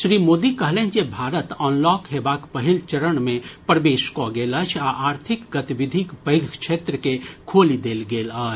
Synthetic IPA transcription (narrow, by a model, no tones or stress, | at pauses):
ʃɾiːmoːd̪ikəɦlẽːt͡ʃebʱaːɾət̪ɔːnlɔːkɦeːbaːkpəɦilt͡ʃəɾəɳmẽpɾəʋeːʃkoɡeːlət͡ʃʰaʔaːɾt̪ʰɪkɡət̪iʋɪd̪ʱikpəɪɡʱkʃʰeːt̪ɾəkekʰoːlid̪eːlɡeːlət͡ʃʰ